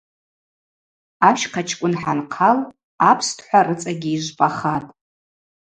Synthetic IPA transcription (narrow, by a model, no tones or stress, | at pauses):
aʃqʰat͡ʃʰkʷʼʊnħanqʰal | apʰstʰħʷarɨt͡sʼaɡʲɪiʒʷpʼaχatʼ